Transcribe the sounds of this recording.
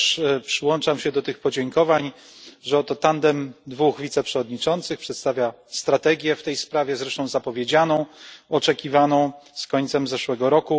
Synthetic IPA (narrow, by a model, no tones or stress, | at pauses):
ʂpʂɘwɔnt͡ʂamɕɛd̪ɔt̪ɘxpɔd͡ʑɛŋkɔvaɲ | ʐɛɔt̪ɔt̪and̪ɛmd̪vuxvʲit̪sɛpʂɛvɔd̪ɲit͡ʂɔnt̪sɘxpʂɛt̪st̪avʲja | st̪ɾat̪ɛɡʲjɛft̪ɛjspɾavʲjɛzɾɛʂt̪ɔ̃w̃zapɔvʲjed͡ʑanɔ̃w̃ɔt͡ʂɛkʲivanɔ̃w̃skɔɲt̪sɛmzɛʂwɛɡɔɾɔku